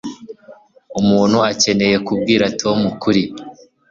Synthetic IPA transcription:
umuːn̥huace̞ne̞je̞kubɡiːɾatʰomukuɾi

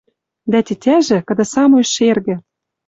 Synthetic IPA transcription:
d̪æt̪ʲetʲæʒɘ̆kɤ̆d̪ɤ̆sɑmoʃerɣɘ̆

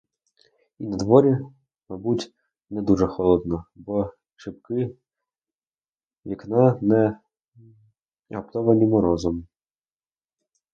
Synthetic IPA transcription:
inɐd̪ʋɔɾʲi | mɐbutʲ | nɛd̪uʒɛxɔlˠɔd̪nɔbɔ | ʃɪpkɪ | ʋʲiknɑnɛ | ɐpt̪ɔʋɐmʲimɔɾɔzɔm

